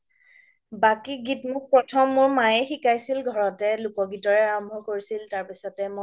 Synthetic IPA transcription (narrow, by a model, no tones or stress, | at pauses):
bakiɡitmʊk̚pɹɔtʰɔmːʊɹmajɛxikajsilɡʱɔɹɔtɛlʊkɔɡitɔɹɛaɹɔmbʱɔkoɹisiltaɹpisɔtɛmo